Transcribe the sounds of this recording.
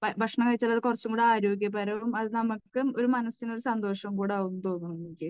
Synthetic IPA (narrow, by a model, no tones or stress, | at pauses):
bɐbʱɐkʂɐɳɐmŋkɐɻit͡ɕːaːlːɐðɨkurɐt͡ɕːuŋɡuːɽaːɾo̞ːɡjɐpɐɾɐmɐðɨnɐmukːɨmo̞ɾumɐnɐsino̞ɾusɐnd̪o̞ːʂɐumkuːɽaːɣunːut̪o̞ːnːunːmikʲːɨ